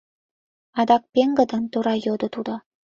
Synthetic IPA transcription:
ɑd̪ɑk̚pʲeŋɡɤ̆d̪ɤ̆nt̪uɾɑjod̪ɤ̆t̪ud̪ɤ̆

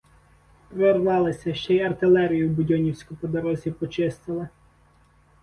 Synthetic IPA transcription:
pɾɔrʋɑlˠɪsʲɐʃt͡ʃɛjɐrt̪ɪlˠɛɾʲijʊbʊdʲɔnʲiwsʲkʊpɔd̪ɔɾɔzʲipɔt͡ʃɪst̪ɪlˠɪ

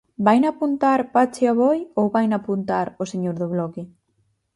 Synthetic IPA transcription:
bajnapunt̪aɾpat͡ʃɪaβɔjowβajnapunt̪aɾoseɲoɾðʊβlɔkɪ

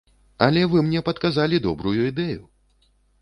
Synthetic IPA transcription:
ɐlʲɛvɨmnʲɛpɐt̪kazalʲid̪ɔbɾujuid̪ɛju

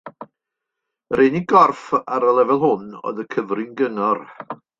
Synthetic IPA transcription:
reːniɡɔrfaɾəlˠɛvɛlˠhʊnɔ̰ðəkʰəvrɪnɡənɔr

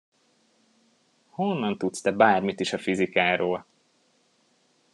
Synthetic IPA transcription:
ho̞nːɒnt̪ut̪st̪ɛbaːrmit̪iʃɒfizikaːɾoːl

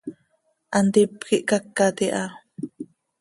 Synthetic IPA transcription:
ʔant̪ipkiʔkakːat̪iʔa

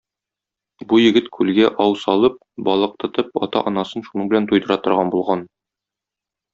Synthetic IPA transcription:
bujɘ̆ɡɘt̪kʰʉlɡæʔɒwsɒlˠɤp̚ | bɒlˠɤ̆q̚t̪ɤ̆t̪ɤp̚ɒ̰t̪ɑ̰ʔɒnɑsɤnʃunɤɴbɘ̆lænt̪ujd̪ɤ̆ɾɑt̪ŏɾʁɑnbulˠʁɑn

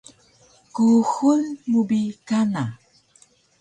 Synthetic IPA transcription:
kuxulmubikana

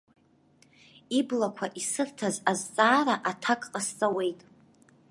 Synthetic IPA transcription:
iblakʷʰaʔisɨrtʰazazt͡sʼaːɾaʔatʰakʼqʼast͡sʼawe̞jtʼ

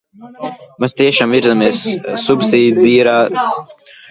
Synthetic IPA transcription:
mast̪iɛʃaːmiɾzamiɛsːubsiːd̪ʲd̪iːɾaː

